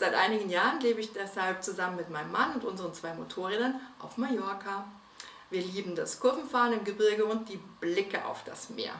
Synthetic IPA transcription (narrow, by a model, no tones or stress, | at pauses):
z̥aɪtʔaɪnɪɡən̩jaːʁənleːbəɪçd̥ɛshalp̚t͡suzamənmɪtmaɪnəmːanʊntʔʊnzəʁənt͡sv̥aɪmotʰoːʁeːdɐnʔaʊfmajɔɐkʰa | viːɐliːbm̩daskʰʊɐvm̩faːʁənɪmɡəbɪɐɡəʊnt̚d̥iːb̥lɪkəʔa̰ʊfd̥a̰smḛːɐ